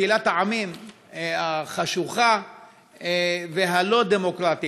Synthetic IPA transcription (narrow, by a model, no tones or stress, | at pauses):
ilat̪haʕamim | aχaʃuχa | veɦalo̞d̪emo̞kʁat̪i